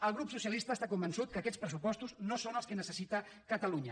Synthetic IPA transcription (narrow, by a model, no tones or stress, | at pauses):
əlˠɣ̞ɾupsusiəlist̪əːst̪akumbənsut̪̚kəːkɛt̪spɾəsupɔst̪uznosonəlˠskənəsəsit̪ə | kət̪əluɲə